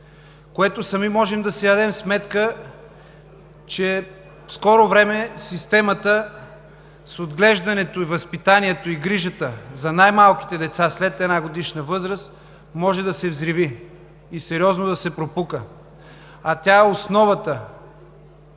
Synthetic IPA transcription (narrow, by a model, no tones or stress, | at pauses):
koɛt̪osɐmimɔʒɛmd̪ɐsid̪ɐd̪ɛmsmɛt̪kə | t͡ʃɛ | fskɔɾovɾɛmɛsist̪ɛmət̪ə | sod̪ɡlɛʒd̪ɐnɛt̪oivɐspit̪aniɛt̪oiɡɾiʒət̪əzɐnajmalˠki̥t̪ɛd̪ɛt̪saslɛt̪ɛnaɡod̪iʃnəvɤzɾəst̪ | mɔʒɛd̪ɐsɛvzɾiviː | sɛɾiɔznod̪ɐsɛpɾopukə | ɐt̪ʲjaɛosnɔvət̪ə